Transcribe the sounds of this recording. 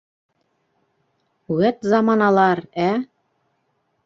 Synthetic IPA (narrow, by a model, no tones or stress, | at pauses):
uwæt̪zɑmɑnɑlˠɑɾæ